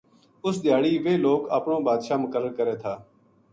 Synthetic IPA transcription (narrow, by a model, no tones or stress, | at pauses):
ʊsd̪ɪjaːɽiːʋeːloːkə̰ːpɳõːbaːd̪ʃaːmʊkəɾəɽkəɾeːt̪ʰaː